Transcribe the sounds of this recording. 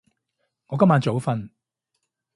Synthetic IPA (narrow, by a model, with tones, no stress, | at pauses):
ŋɔː˨˧kɐ˥maː˨˧nt͡so˨˥wfɐ˧n